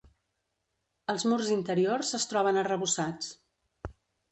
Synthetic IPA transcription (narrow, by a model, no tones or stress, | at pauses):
əlˠzmurzint̪əɾiorzəst̪ɾɔβ̞ənərəβusat͡s